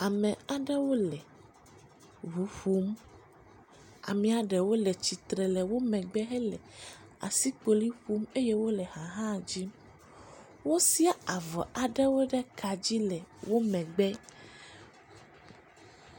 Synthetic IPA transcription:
a˨mɛ̃˨a˨ɖɛ˦wo˦lɛ˨ | ɦu˨˦ɸu˦m | a̰˨mĩ˦a˨ɖɛ˨wo˦lɛ˨t͡ɕi˨t̪ɾɛ˨lɛ˨wo˦mɛ̃˨ɡ͡bɛ˦ɦɛ˦lɛ˨ | a̰˨si˦k͡po˨li˦ɸu˦me˦je˦wo˦lɛ˨ha˨ɦã˦˨d͡ʑi˦m | wo˦si˦a˦a˨vɔ̰˨ʔa˨ɖɛ˦wo˦ɖɛ˦ka˨d͡ʑi˦lɛ˨wo˦mɛ̃˨ɡ͡bɛ˦

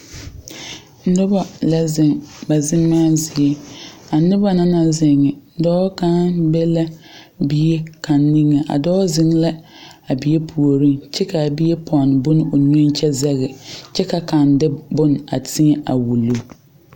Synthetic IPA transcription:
nʊ˦ba˦la˦zɪ˨ŋba˨zɪ˦mːaː˦zɪ˨e˦a˨nɪ˦ba˦na˦na˨zɪ˨ŋɪ˨˦dɔː˦ka˦bɛ˦la˦bi˨je˦ka˨nːi˦ŋɪ˨ʔa̰˨dɔː˦zɪ˦ŋla˦ | a˨bi˨je˦pʰu˨o˨ɾi˦ŋt͡ʃɛ˦ka˨bi˦e˦pʰɔ˨n˨bʊ˦n˦ʊ˨ɲ˦o˦nt͡ʃɛ˦zɛ˦ɣɪ˨t͡ʃɛ˦ka˨ka˨n˦dɪ˦bʊ˦na̰˨tʰi˦e˦ʔa˨wu˨lu˦

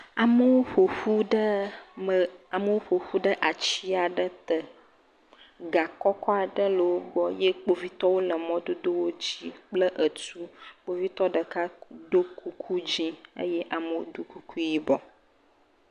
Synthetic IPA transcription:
a˨mə˦wo˦ɸo˨ɸu˦ɖə˦ə˨a˨mə˦wo˦ɸo˨ɸu˦ɖə˦ʔa˨t͡ɕi˦a˨ɖə˦t̪ə˨ | ɡa˨kɔ˦kɔ˦a˨ɖə˦lə˨wo˦ɡ͡bɔ˦je˦k͡po˦vi˦t̪ɔ˦wo˦lə˨mɔ̃˦d̪o˦d̪o˦wo˦d͡ʑi˦k͡plə˦ʔə˨t͡ʃu˦k͡po˦vi˦t̪ɔ˦ɖə˨ka˦d̪o˦ku˨kʰu˦d͡ʑi˦ə̰˦jɛ˦ʔa˨mə˨wo̰˦d̪u˦ku˦ku˦ji˦bɔ˨

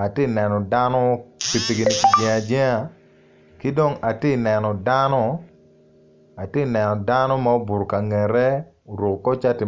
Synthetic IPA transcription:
a˨tɪ˦˨nɛ˨nɔ˨da˦nɔ˦pi˨pi˨ɡi˨ni˨ki˨d͡ʒɛ˨a˨d͡ʒɛ˦a˨ | ki˦do˦˨ŋa˨tɪ˦˨nɛ˨nɔ˨da˦nɔ˦ | a˨te˦˨nɛ˨nɔ˨da˦nɔ˦ma˦o˦bu˨ɾo˨ka˨ŋɛ˨ɾɛ˦ | o˨ɾu˨kkɔ˦t͡ʃa˦tɪ˨

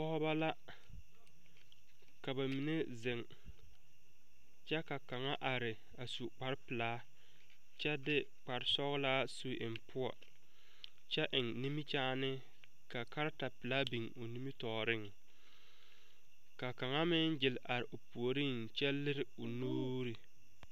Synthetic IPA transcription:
ɔ˦ba˦la˦ | ka˨ba˨mi˨ne˦zɪ˨ŋ | t͡ʃɛ˦ka˨ka˨ŋa˦ʔa˨ɾɪ˨ | a˨su˨k͡pa˨ɾɪ˦pɪ˨laː˨˦ | t͡ʃɛ˦dɪ˦ | k͡pa˨ɾɪ˦sɔ˦ɣlaː˦su˨ʔɪ˨m˨pʊ˦ɔ̰˨ | t͡ʃɛ˦ʔɪ˨ŋni˦mi˦t͡ʃaː˦nɪ˦ | ka˨ka˦ɾta˨pɪ˨laː˦bi˨ŋo˨ni˦mi˦tɔː˨ɾɪ˦˨ŋ | ka˨ka˨ŋa˦mɪ˦nd͡ʒɪ˨lʔa˨ɾɪ˨ʔʊ˨pu˨o˨ɾi˦˨ŋ | t͡ʃɛ˦lɪ˦ɾɪ˦ʊ˨noː˦ɾi˨

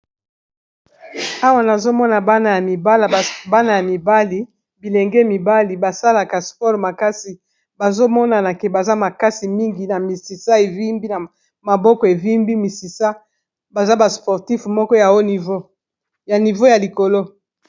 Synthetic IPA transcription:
a˦wa˦na˨zo˦mɔ˦na˨ba˦na˨ja˨mi˨ba˦la˨ba˦na˨ja˨mi˨ba˦li˨ | bi˨lɛ˨ŋɡɛ˦mi˨ba˦li˨ba˨sa˦la˨ka˨spɔ˦ʁma˨ka˦si˨ | ba˨zo˦mɔ˦na˨na˨ke˨ba˨za˦ma˨ka˦si˨mi˦ŋɡi˨na˨mi˨si˨sa˦e˨vi˦mbi˦na˨ | ma˨bɔ˦kɔ˨e˨vi˦mbi˦mi˨si˨sa˦ | ba˨za˦ba˨spɔ˨ʁti˦fmɔ˦kɔ˦ja˨o˦ni˨vo˦ | ja˨ni˨vo˦ja˨li˨ko˨lo˦

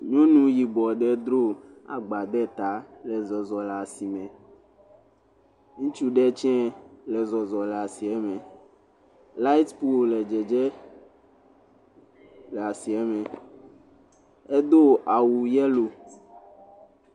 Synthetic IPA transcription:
ɲõ˦nũ˦ji˨bɔ˨ɖɛ˦d̪ɾo˦ | a̰˨ɡ͡ba˨d̪ɛ˦t̪a˨˦lɛ˨zɔ˨zɔ˨la˨si˨mɛ̃˨ | ŋũ˦t͡ʃu˦ɖɛ˦t͡ʃɛ̃˦lɛ˨zɔ˨zɔ˨lɛ˨a˨si˨ɛ˦mɛ̃˨ | la˦i˦t̪pu˦lɛ˨d͡ʒɛ˨d͡ʒɛ˦ | lɛ˨a˨si˨ɛ˦mɛ̃˨ | e˦d̪o˦a˨wu˨jɛ˦lo˨

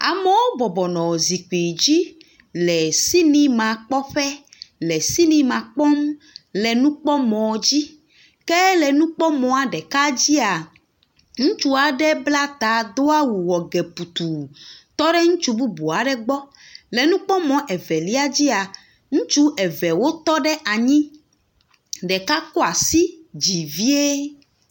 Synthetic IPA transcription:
a̰˨mɛ˨˦wo˦bɔ˨bɔ˨nɔ̃˨zi˨k͡pi˨d͡ʑi˦ | lɛ˨si˦nĩ˦mã˨k͡pɔ˦ɸɛ˦lɛ˨si˦nĩ˦mã˨k͡pɔ˦m | lɛ˨nũ˦k͡pɔ˦mɔ̃˨˦d͡ʑi˦ | kɛ˦lɛ˨nũ˦k͡pɔ˦mɔ̃˨a˨ɖɛ˨ka˦d͡ʑi˦a˨ | ŋũ˦t͡ʃu˦a˨ɖɛ˦bla˦t̪a˨d̪o˦a˦wu˨wɔ˨ɡe˨pu˨t̪u˨t̪ɔ˦ɖɛ˦ŋũ˦t͡ʃu˦bu˦bu˨a˨ɖɛ˦ɡ͡bɔ˦ | le˨nũ˦k͡pɔ˦mɔ̃˨ʔɛ˨vɛ˨li˦a˦d͡ʑi˦a˨ | ŋũ˦t͡ʃu˦ʔɛ˨vɛ˨wo˦t̪ɔ˦ɖɛ˦ʔa˨ɲĩ˦ | ɖɛ˨ka˦ko˦a˨si˦d͡ʑi˨vi˦e˦

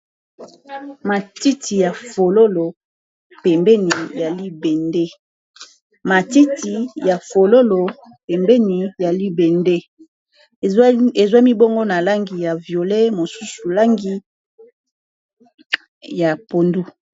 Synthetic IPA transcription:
ma˨ti˦tʰi˨ja˨fo˨lo˦lo˨ | pɛ˨mbɛ˦ni˨ja˨li˦bɛ˨nde˦ | ma˨ti˦ti˨ja˨fo˨lo˦lo˨ | pɛ˨mbɛ˦ni˨ja˨li˦be˨nde˦ | e˨zwa˦mi˦bo˦ŋɡo˦na˨la˦ŋɡi˨ja˨vjo˨le˦mo˨su˦su˨la˦ŋɡi˦ | ja˨po˨ndu˦

